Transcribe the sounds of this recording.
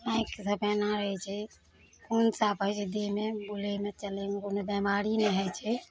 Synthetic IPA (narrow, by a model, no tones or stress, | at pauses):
bãiksəpɛnaɾəɦɛt͡ʃʰɛ | kunsapət͡ʃʰɛd̪emebulemet͡ʃəlemekonobɛmaɾinɛɦət͡ʃʰɛ